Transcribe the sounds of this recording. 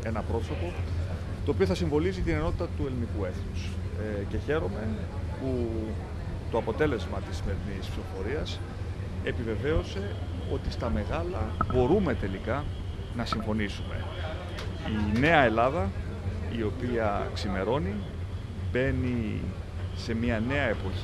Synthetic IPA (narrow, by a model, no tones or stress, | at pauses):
e̞nɐpɾo̞so̞po̞ | t̪oːpio̞θɐsiɱvo̞lizit̪ine̞no̞t̪it̪ɐt̪ue̞lnikue̞θnusce̞çe̞ɾo̞me̞pu | t̪o̞ɐpo̞t̪e̞le̞zmɐt̪isime̞ɾinispso̞fo̞ɾiɐs | epive̞ve̞o̞se̞o̞t̪ist̪ɐme̞ɣɐlɐbo̞ɾume̞t̪e̞likɐ | nɐsiɱfo̞nisume̞̰ | ine̞ɐe̞lɐðɐ | io̞piɐksime̞ɾo̞ni | be̞ni | se̞miɐne̞ɐe̞po̞